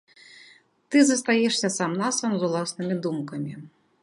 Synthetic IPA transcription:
t̪ɨzɐst̪ajɛʂsʲɐsamnasɐmzulˠasnɨmʲid̪umkɐmʲi

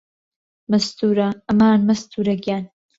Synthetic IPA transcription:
mɐst̪uːɾɐʔɐmaːnmɐst̪ʰuːɾɐɡjaːn

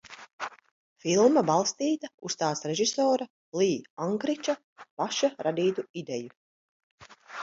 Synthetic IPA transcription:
filˠmabalˠst̪iːt̪aṵst̪aːt̪sɾeʒisɔːɾa | liːaŋkɾit͡ʃa | paʃaɾad̪iːt̪uid̪ɛju

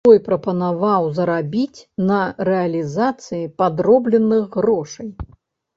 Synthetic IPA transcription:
ɔjpɾɐpɐnavawzɐɾabʲit͡sʲnɐɾɛɐlʲizat̪sɨjipad̪ɾɔblʲɛnːɨɣɣɾɔʂɐj

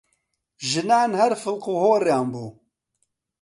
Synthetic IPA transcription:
ʒɨnaːnhɛɾfɨlquːhoːrjaːmbuː

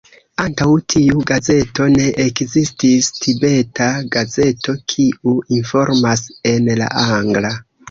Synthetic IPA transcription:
antawtʰiuɡaze̞to̞ne̞ʔekzististʰibe̞tʰaɡaze̞to̞kʰiuinfo̞ɾmase̞nla̰ʔaŋɡla

